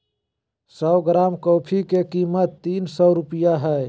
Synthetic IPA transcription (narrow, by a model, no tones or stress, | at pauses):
sɔɡɾaːmkɔːpʰikekiːmət̪ːiːnsɔɾʊpijaɦɛ